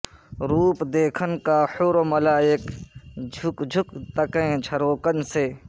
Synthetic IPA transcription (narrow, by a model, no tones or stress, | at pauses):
ɾuːpd̪eːkʰənkaːhoːɾomɐlaːjɪkd͡ʒʱʊkd͡ʒʱʊkt̪ɐkẽːd͡ʒʱɐɾoːkənseː